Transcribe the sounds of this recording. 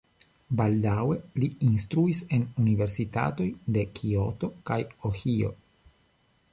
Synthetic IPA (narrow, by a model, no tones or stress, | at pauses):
baldawe̞liinstɾuise̞nunive̞ɾsita̰to̞jde̞kʰio̞to̞kajohio̞̰